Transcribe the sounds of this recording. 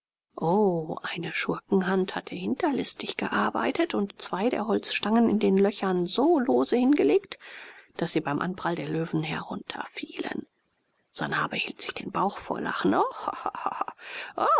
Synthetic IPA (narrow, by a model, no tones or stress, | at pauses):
ʔoːʔaɪnəʃʊɐkŋ̩ɦanthatʰəhɪntɐlɪstɪçɡ̥əʔaɐba̰ɪtətʊntt͡sv̥aɪdḛːɐɦɔlt͡sʃtaŋənɪndeːnlœçɐnzoːloːzəhɪnɡəleːktd̥asz̥iːbaɪmʔa̰nbʁ̥aldeːɐløːvn̩hɛɐʁʊntʰɐ̰fiːlə̰n | z̥a̰nabəhiːltz̥ɪçd̥eːnbaʊxfo̰ːɐla̰χn̩ʔohh | ʔo